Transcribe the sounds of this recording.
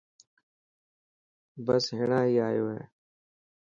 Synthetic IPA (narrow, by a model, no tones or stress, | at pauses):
bəsɦɪːɳaːɦiːaːjoːɦɛ̰ː